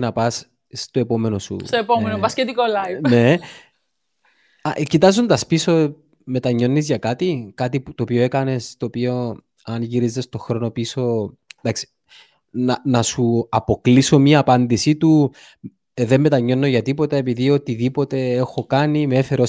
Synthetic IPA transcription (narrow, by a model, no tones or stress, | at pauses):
nɐpɐs | st̪o̞e̞po̞me̞nosṵt̪oepomenopɐscet̪ikolɐjne̞ | ɐcit̪ɐzond̪ɐspiso̞ | me̞t̪ɐɲːo̞nːizʝɐkɐt̪ikɐt̪iput̪oːpio̞ekɐne̞st̪o̞ːpio̞ | ɐnʝiɾizest̪o̞xɾo̞no̞piso̞d̪ɐksi̥ | nɐnɐsuɐpo̞kliso̞mɐːpɐnd̪isit̪u | ðe̞mːe̞t̪ɐɲːo̞nːo̞ʝɐt̪ipo̞t̪ɐe̞piðio̞t̪iðipo̞t̪e̞e̞xo̞kɐnimeefe̞ɾo